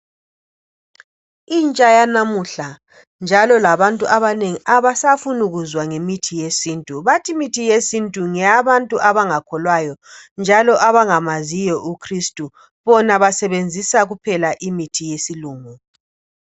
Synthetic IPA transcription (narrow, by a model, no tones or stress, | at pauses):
int͡ʃʼajanamuɬa | nd͡ʒʱalɔlaβantʼuʔaβaneŋiʔaβasafunuɣuzwaŋemitʰijesiːntʼuβatʰimitʰijesintʼuŋɛjaβantʼuʔaβaŋakʰɔlwajɔnd͡ʒʱalɔʔaβaŋamazijɔʔukʰristʼu | βɔnaβasɛβend͡zʱisaɣupʰɛlaʔimitʰijesiluːŋu